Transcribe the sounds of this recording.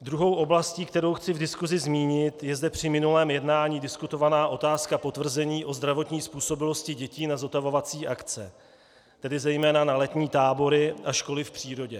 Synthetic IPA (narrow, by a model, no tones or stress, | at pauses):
d̪ɾuɦo̞wʔo̞blasciːk̚t̪ɛɾo̞wxt͡sɪvdɪskuzɪzmiːɲɪt̪jɛzdɛpr̝̥ɪmɪnulɛːmjɛdnaːɲiːdɪskut̪o̞vanaːʔo̞t̪aːskapo̞t̪vr̩zɛɲiːʔo̞zd̪ɾavo̞t̪ɲiːspuːso̞bɪlo̞scɪɟɛciːnazot̪avo̞vat͡siːʔakt͡sɛ | t̪ɛdɪzɛjmɛːnanalɛt̪ɲiːt̪aːbo̞ɾɪaʃko̞lɪfpr̝̥iːɾo̞ɟɛ